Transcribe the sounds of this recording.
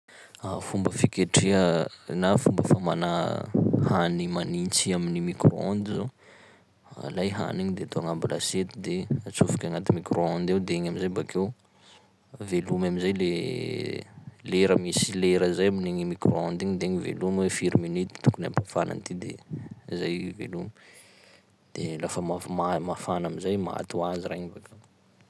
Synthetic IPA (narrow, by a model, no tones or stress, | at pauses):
afumbəfikʲeʈ͡ʂiənafumbəfamana | hanimanint͡siaminimikro̰ɔnd̪izo | a̰lajɦa̰niɲid̪et̪oaŋambalaset̪id̪eat͡sufu̥kʲaŋat̪imikroɔnd̪ewd̪eeɲamizajbakew | velumamizajle | leɾəmisileɾəzajaminiŋimikroɔnd̪iɲid̪eɲivḛlumwefiɾiminit̪i̥t̪u̥kuna̰mpafana̰nt̪id̪ḛzajvḛlumi | d̪̥elafəmamamafanamizajmaa̰t̪uaziɾeɲvaka